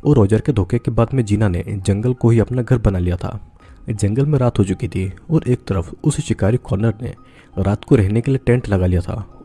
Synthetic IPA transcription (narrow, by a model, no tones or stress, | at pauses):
ɔːɾːɔːd͡ʒəɾked̪ʱoːkekebaːd̪mẽd͡ʒiːnanḛd͡ʒɐ̃ŋɡəlkoɦiɐpnaɡʱɐɾbɐnalijat̪ʰa̰ː | d͡ʒɐ̃ŋɡəlmẽɾaːt̪ɦot͡ʃʊkit̪ʰiɔːɾʔeːk̚t̪ɐɾəfʊsʃɪkaːɾikɔːɾnəɾnḛ | ɾaːt̪koɾɛɦnekelieʈẽːɳʈlɐɡalijat̪ʰa̰ː